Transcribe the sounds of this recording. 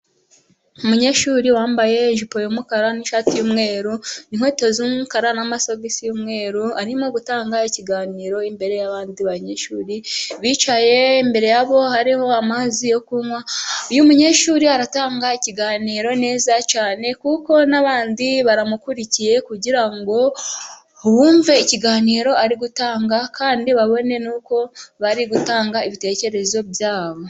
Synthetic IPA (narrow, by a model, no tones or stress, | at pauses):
umuɲe̞ʃuɾiwaːmbaje̞nʒipo̞jomukaɾaniʃaːtijuːmŋe̞ːɾuniŋ̥wetozumukaɾanamasovisijumŋe̞ːɾuaɾimoɡutaːŋɡaiciɡaːniːɾo̞imbe̞ɾe̞jaβaːndiβaɲeʃuːɾiβiːt͡ʃaje̞imbe̞ɾe̞jaβo̞haɾiho̞amazijo̞kumwaujumuɲe̞ʃuɾiaɾataːŋɡaiciɡaːniːɾo̞ne̞ːzat͡ʃaːne̞kuko̞naβaːndiβaɾamukuɾicije̞kuɟiɾaŋɡo̞ | βuːɱveiciɡaːniːɾo̞aɾiɡutaːŋɡakaːndiβaβo̞ne̞nuːko̞βaɾiɡutaːŋɡaiβite̞ːce̞ɾe̞zo̞bjaːβo̞